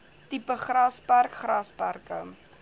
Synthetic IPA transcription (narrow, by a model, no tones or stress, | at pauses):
tipəχrɐspærkχrɐspærkə̰